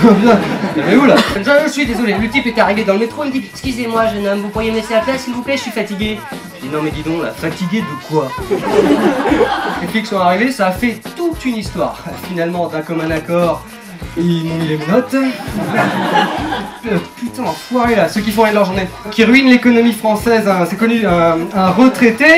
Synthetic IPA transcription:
ãbjɛ̃ɛmɛulanʒwaʒəʒəsɥid̪ezɔlelət̪ipɛt̪aʁived̪ɑ̃ləmet̪χoimət̪ipɛkskʲyzemwaʒənɔmvupuʁjeməleseaplɛsilvuplɛʒəsɥifat̪iɡʲe | d̪inɔ̃mɛd̪id̪ɔ̃la̰fat̪iɡʲed̪əkwa | kɛkiksɔ̃aʁivesaːfɛt̪ut̪ynist̪waːʁfinalmɑ̃d̪ãkɔmɛ̃nakɔːʁ | imɔ̃milemɔ̃nɔt̪ | pyt̪ɑ̃fwaʁelasøk̬ʲifɔ̃ʁɛnlœʁʒuʁne | kʲiʁɥinlekɔnɔmifχɑ̃sɛzɛ̃sɛkɔnyø̃ɛ̃ʁət̪χet̪e

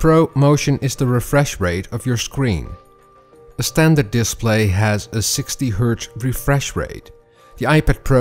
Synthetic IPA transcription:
pʰɹ̥oʊmoʊʃɨ̃nʔɪzðəɹɪfɹɛʃɹeɪɾʌvjə˞skɹḭ̃n | ɨstæ̃ndə˞dɪspʰleɪɨzɨsɪkstiɦɜ˞tɹifɹɛʃɹḛɪt̚ | ðiaɪpɛd̚pʰɹ̥o

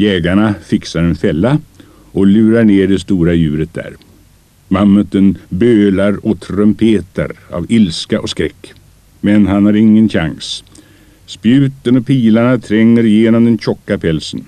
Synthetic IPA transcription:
jɛːɡaɳafɪksaɾɛnfɛlːa | ɔlʉ̟ːɾaɳeːɖɛst̪uːɾajʉ̟ːɾət̪̚d̪æ̰ːɾ | mamːət̪ənbøːlaɾɔt̪ʰɾœmpʰeːt̪a̰ɾa̰vɪlskaʔɔskɾɛkː | mɛnɦanhaɾɪŋːənɕa̰ŋs | spjʉ̟ːt̪ənɔpʰiːlaɳat̪ʰɾɛŋːəɾjeːnɔmd̪ɛnɕɔkːapʰɛlsən

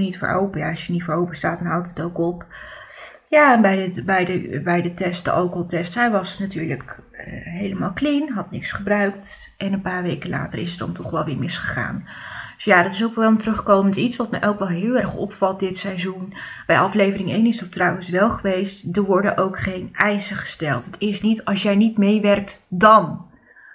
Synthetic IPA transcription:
nitfə̰ɹʔo̰wpəjaɑʃjənitfəɹowpəstaːdɑnɦʌwtətowkɔp | jaːɛnbɛjəbɛjdəbɛjdətɛstə̰ʔowkɔlˠtɛstɦɛjʋɑsnatyːɹlək | ɦejləmaːlˠklinɦɑtnɪksχəbrœɥk̚t | ʔɛnənpaːɹʋejkəla̰ːtərɪsət̚dɑ̰ntɔχʋɛlˠʋɪːɹmɪsχəχa̰ːndsjaːdɑtɪsowkʋɛlˠəmtərɵχkowməntitsʋɑtmɛʔɛlˠkɑlˠɦɪːlˠɛrχɔpfɑlˠt̚dɪtsɛjzunb̥ɛjʔɑflejvərɪŋejnɪsdɑtrɑwənsʋɛlˠχəʋejstdəɹʋɔɹdənʔowkχejnɛjsəχə̥stɛlˠtɦətɪsnitɑlˠsjɛjnitmejʋɛrk̚tdɑn

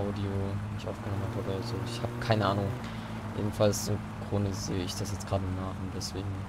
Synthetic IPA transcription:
ʔaʊdionɪçtʔaʊfɡ̥ənɔmənaboːɐɐzoːɪçhaːbəkʰaɪnəʔaːnʊŋ | jʔḛːdm̩falsʏm | ɡ̥ʁ̥ʊndəzeːəɪçd̥asjɛt͡stɡ̥ʁaːdənaːχʊnt̚d̥ɛsv̥eːɡŋ̩

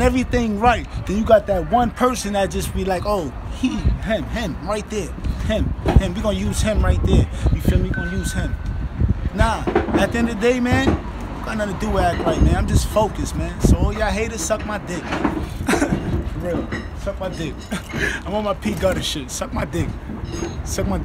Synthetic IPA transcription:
nɛvɹiθɪ̃ŋɹaɪt̪̚ðɨ̃njɨɡɑt̪̚ðɨt̚wʌ̃npʰɜ˞sɨ̃nðɨdd͡ʒ̥ʌsb̥ilaɪkoʊhiɦɪ̃mɦɪ̃mɹaɪt̪̚ðə˞hɪ̃mhɪ̃mwiɡʌnɨjʉz̥ɪ̃mɹaɪt̪̚ðə˞wifimwiɡʌnɨjʉz̥hɪ̃m | naʊðɨt̪̚ðɛ̃nðɨdeɪmæ̃n | wɡɑ̃nɡʌnɨdɨæt̚ɹaɪt̚mæ̃nãɪ̃md͡ʒʌstfoʊkɨsmæ̃nsoʊojæɦeɪɾɨsʌk̚maɪdɪk | ɹɪlˠ | sʌk̚maɪdɪk̚ãɪ̃mə̃nmaɪpʰiɡʌɾəʃɪtsʌk̚maɪdɪk | sʌk̚maɪ

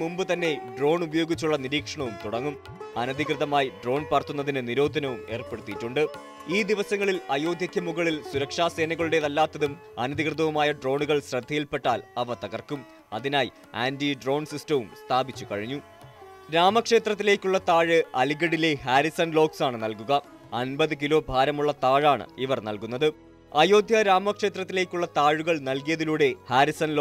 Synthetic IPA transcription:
mumbɨt̪ɐnːe̞ɖro̞ːɳubɐjo̞ːɡit͡ɕːuɭːɐniɾiːkʂɐɳɐʋumt̪uɽɐŋːum | ɐnɐd̪ʱikrɨðɐmaːjiɖro̞ːnpɐrt̪ːunːɐðinɨniɾo̞ːd̪ʱɐnɐʋume̞ːrpe̞ɽut̪ːiʈːuɳɖɨ | iːd̪iʋɐsɐŋːɐɭilɐjo̞ːd̪ʱjɐkʲːɐmuɣɐɭilsuɾɐkʂaːse̞ːnɐɣɐɭuɽeðɐlːaːt̪ːɐðum | ɐnɐd̪ikrɨðɐʋumaːjɐɖro̞ːɳuɣɐɭɕɾɐd̪ʱːijilpeʈːaːlɐʋɐt̪ɐɣɐrkum | ɐ̰ðinaːj | a̰ːndiɖro̞ːnsistɐʋumst̪ʰaːbit͡ɕːukɐ̰ɻiɲːu | ɾaːmɐkʂe̞ːt̪rɐt̪ːile̞ːkʲːuɭːɐt̪aːɻɨɐliɣɐɽile̞ɦaːɾisɐnlo̞ːksaːɳɨnɐlkuɣɐ | ɐnbɐðɨk̬ilo̞ːbʱaːɾɐmuɭːɐt̪aːɻaːɳɨ̰iʋɐrnɐlkunːɐðɨ | ɐjo̞ːd̪ʱjɐɾaːmɐkʂe̞ːt̪rɐt̪ːile̞ːkʲːuɭːɐt̪aːɻuɣɐɭnɐlkijɐðiluːɽe̞haːɾisɐnlo

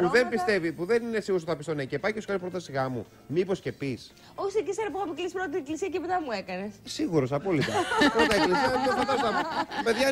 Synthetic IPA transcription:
puðe̞mbist̪evipuðe̞ninesiɣuɾs̬θɐpist̪onɐicepɐceskɐɾipɾot̪ɐsiɣɐmṵ | mipo̞sce̞pis | osikisɐɾɐpoɐpiklispɾot̪t̪ieklisiɐcepet̪ɐmuekɐnessiɣuɾo̞sɐpo̞litt̪ɐpɾot̪ɐeklisiɐofɐt̪ɐst̪ɐppe̞ðʝɐ

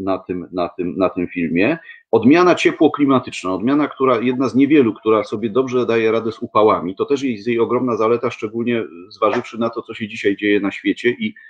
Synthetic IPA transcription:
nat̪ɘmnat̪ɘmnat̪ɘmfʲilmʲjɛɔd̪mʲjanat͡ɕɛpwɔklʲimat̪ɘt͡ʂnãɔd̪mʲjanakt̪uɾajɛd̪̚nazɲɛvʲjɛlukt̪uɾasɔbʲjɛd̪ɔbʐɛd̪ajɛɾad̪ɛzupawamʲit̪ɔt̪ɛʂ̬jɛsʲjejɔɡɾɔmnazalɛt̪aʂt͡ʂɛɡulɲɛzvaʐɘfʂɘnat̪ɔt̪sɔɕɛd͡ʑiɕajd͡ʑejɛnaɕfʲjɛt͡ɕɛʔi

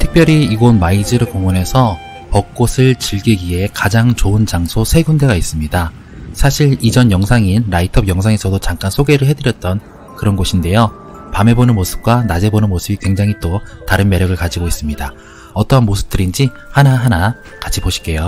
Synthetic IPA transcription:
tʰɯ̥k̚pjʌɾiːɡonmaid͡ʑɯɾɯɭkoŋune̞sʰʌ | pʌk̚k͈osʰɯɭt͡ɕiɭɡeɡie̞kad͡ʑaŋt͡ɕoɯnt͡ɕaŋsʰosʰe̞ɡunde̞ɡais͈ɯmɲida | sʰaɕʰiɾid͡ʑʌnjʌŋsʰaŋinɾaitʰʌbjʌŋsʰaŋe̞sʰʌdot͡ɕaŋk͈ansʰoɡe̞ɾɯɭɦe̞dɯɾjʌt̚t͈ʌn | kɯɾʌnɡoɕʰinde̞jo | pame̞bonɯnmosʰɯ̥p̚k͈wanad͡ʑe̞bonɯnmosʰɯbikwe̞ŋd͡ʑaŋɦit͈otaɾɯnme̞ɾjʌɡɯɭkad͡ʑiɡois͈ɯmɲida | ʌt͈ʌɦanmosʰɯ̥p̚t͈ɯɾind͡ʑi | hanaɦana | kat͡ɕʰipoɕʰi̥k͈e̞jo

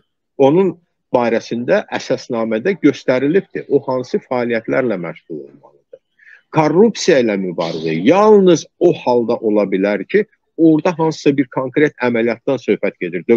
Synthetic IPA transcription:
o̞nun | bɑːɾæsind̪æʔæsɑsnɑːmæd̪æɟø̞st̪æɾilib̚d̪ʰiʔohɑnsɯfæːlijæt̪ʰlæɾlæmæ̰ʃʁulˠo̞̰lˠmɑ̰lˠɯd̪̥ɯ | kʰorːupsijɑilæmybɑ̰ːɾizæjɑlˠnɯzo̞hɑlˠd̪ɑʔo̞lˠɑbilæɾcʰi | oɾd̪ɑɦɑnsɯ̥sɑbiɾkʰoŋkɾe̞t̪ʰæmælijɑt̪d̪ɑnsø̞hpæt̪ɟe̞d̪iɾd̪ø

